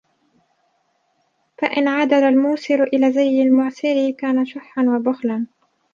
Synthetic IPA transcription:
faʔɪnʕad̪aɾalmuːsɪɾʔɪlaːzajːalmʊʕsɪɾɪkaːnaʃʊħːanwabʊxlan

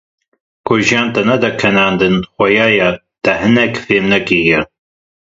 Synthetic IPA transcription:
ɡ̥ʷʊʒaːnt̪ʼɐnɐd̪ɐkʰɐnaːnd̪ɨnχʷɐjaːjɐ | t̪ɐɦɨnɐkfeːmnɐkijɪɾ

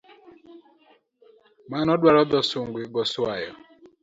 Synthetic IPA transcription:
manɔɗwaɾɔdɔsuŋɡwiɡɔswajɔ̰

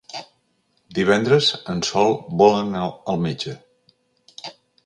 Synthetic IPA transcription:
d̪iβ̞ɛnd̪ɾəzənsɔlˠbɔlənaəlˠmed͡ʒə

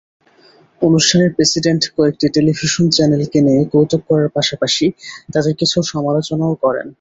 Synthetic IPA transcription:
onuʃʈʰaneɾpɾesiɖeɳʈkɔek̚ʈiʈelibʱiʃont͡ɕɛnelkeneekowt̪ok̚kɔɾaɾpaʃapaʃit̪ad̪eɾkit͡ɕʰuʃɔmalot͡ɕonaokɔɾḛn

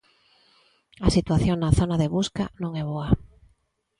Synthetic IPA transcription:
asit̪waθjoŋnaθonaðeβuska̰nõŋɛβoa

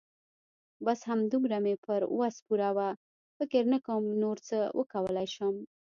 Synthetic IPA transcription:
bashamd̪umɾamepəɾwaspuɾawa | fɪkɪɾnəkəmnoɾt͡səwʔə̰kawəlajʃəm

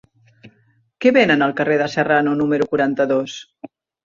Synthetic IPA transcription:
kɛβenənəlˠkəreðəsəranunuməɾukuɾant̪əðos

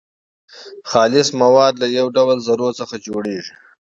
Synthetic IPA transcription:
xɑːlɪsmawɑːd̪lajawɖawalzaɾosəxad͡ʒoɽeːʐi

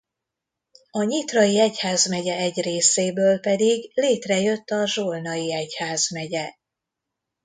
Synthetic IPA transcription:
ɒɲit̪rɒiɛchaːzmɛɟɛɛɟreːseːbøːlpɛd̪iɡleːt̪rɛjø̞t̪ːɒʒoːlnɒjiɛchaːzmɛɟɛ

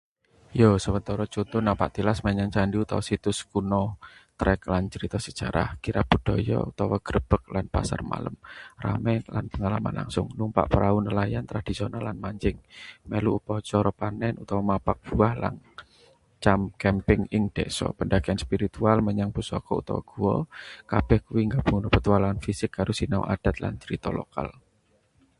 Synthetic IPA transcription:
josəwənt̪ɔɾɔt͡ʃot̪ʊnapaʔt̪ilasməɲaŋt͡ʃandiut̪ɔ̰wɔsit̪ʊskunɔt̪ɾɛklant͡ʃəɾit̪ɔsə̥ʒ̥aɾa̰hkiɾab̥ṳd̥ɔjɔ̰ṵt̪ɔwɔɡ̥əɾəb̥ək̚lanpa̰sa̰rma̰ləmra̰mɛnla̰npəŋalama̰nla̰ŋsʊŋnumpa̰ʔpəɾaunəlajant̪ɾad̪̥i̤sonalːanmaɲt͡ʃɪŋmeluʔupɔt͡ʃɔɾɔpanɛnut̪awɔmapak̚b̥uahla̰n | t͡ʃamkɛmpɪŋɪŋd̪̥ɛsɔ̰pəndaɡ̥ianspiɾit̪ualməɲaŋb̥usɔkɔut̪ɔ̰wɔ̰ɡ̥uwɔkab̥ɛhkuwiŋɡab̥uŋunupət̪ualanfisɪkːaɾʊsinaw̰ʔad̥a̤t̪la̰nt͡ʃɾit̪ɔlo̰ka̰l

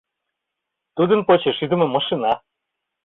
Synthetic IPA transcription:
t̪ud̪ɤ̆npot͡ɕeʃyd̪ə̆mɤ̆mɑʃinɑ

